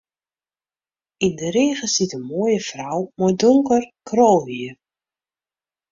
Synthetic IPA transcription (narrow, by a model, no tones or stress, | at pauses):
indəɾeːɣəsitənmoəjəfrawmodʊŋkərkʰroːlɦiər